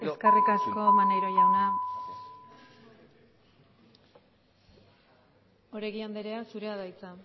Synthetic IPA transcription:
esskerikasko̞manejɾo̞jawna | o̞ɾeɣiand̪eɾe̞asuɾe̞aðajt͡sa

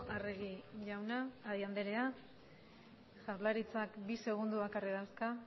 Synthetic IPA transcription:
areɣiʝawnaːðiand̪e̞ɾe̞a | ʝaɾlaɾit͡sakbise̞ɣ̞und̪uβakariðawska

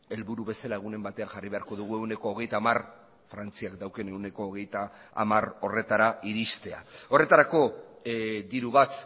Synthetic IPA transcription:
e̞lβuɾuβe̞salae̞ɣ̞une̞mbat̪e̞anxariβ̞e̞aɾko̞ð̞uɣ̞ue̞wne̞ko̞ːɣe̞jt̪aːmar | fɾant͡siakd̪awkene̞wne̞ko̞ːɣ̞e̞jt̪a̰ː | maro̞re̞t̪aɾaiɾist̪e̞a̰o̞re̞t̪aɾako̞ | d̪iɾuβat̪

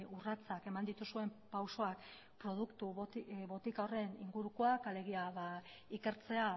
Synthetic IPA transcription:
urat͡sake̞mand̪it̪usue̞mpawso̞ak | pɾo̞ð̞ukt̪uβo̞t̪ikaore̞nḭŋɡuɾuko̞akale̞ɣ̞iaβa | ike̞ɾt͡se̞a

